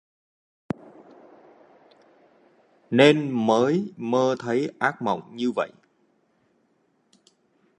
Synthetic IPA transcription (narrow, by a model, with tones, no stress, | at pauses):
ne˧nməː˨˦jməː˧t̪ʰə˨˦jʔaː˦˥k̚mə̰˧˨wŋ͡mɲɨ˧və̰˧˨jʔ